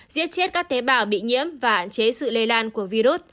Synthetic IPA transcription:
zḭ˦˥ət̚t͡ɕe˦˥t̚kaː˦˥k̚t̪e˨˦ɓaː˧˩wɓḭ˧˨ɲḭ˧˥əmvaː˨˩ha̰ː˧˨nt͡ɕe˨˦sɨ̰˧˨le˧laː˧nku˧˩əvi˧ɾu˦˥t̚

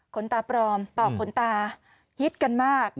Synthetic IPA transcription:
kʰo˩˦nt̪aː˧pɾɔː˧mt̪ɔː˨˩kʰːo˩˦nt̪aː˧ | hi˦˥t̪̚ka˧nmaː˥˩k̚

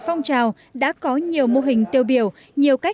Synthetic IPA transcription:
fɔ˧wŋ͡mt͡ɕaː˨˩w | ɗa̰ː˧˥kɔ˨˦ɲi˨˩əwmo˧ɦï˨˩ŋ̟t̪i˧˩əwɓi˨˧˩əw | ɲi˨˩əwka˦˥

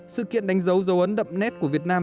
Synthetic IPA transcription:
sɨ̰˧˨kḭ˧˨ənɗa˨˦ŋ̟zə˨˦wzə˨˦wʔə˨˦nɗə̰˧˨mnɛ˦˥t̚ku˧˩əvi˨˩ət̚naː˧m

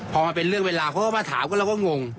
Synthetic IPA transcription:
pʰɔː˧maː˧p̬e˧nɾɯ˥˩əŋweː˧laː˧kʰa˧˦kːaː˥˩maː˧t̪ʰa̰ː˩˦mkɔː˥˩a˧˩wkɔ˥˩ŋo˧ŋ

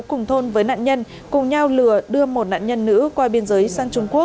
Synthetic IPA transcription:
kʊ˨˩ŋ͡mt̪ʰo˧nvəː˨˦jna̰ː˧˨nɲə˧n | kʊ˨˩ŋ͡mɲa˧wlɨ˨˩əɗɨ˧əmo˨˩t̚na̰ː˧˨nɲə˧nːɨ̰˧˥kwaː˧ɓi˧ənzəː˨˦jsaː˧ŋt͡ɕʊ˧ŋ͡mku˦˥ək̚

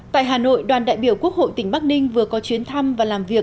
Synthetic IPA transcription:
t̪a̰ː˧˨jɦaː˨˩no̰˧˨jɗwaː˨˩nɗa̰ː˧˨jɓi˧˩əwku˦˥ək̚ho̰˧˨jt̪ï˧˩ŋ̟ɓa˦˥k̚nï˧ŋvɨ˨˩əkɔ˨˦t͡ɕwi˨˦ənt̪ʰa˧mvaː˨˩laː˨˩mvi˨˩ək̚

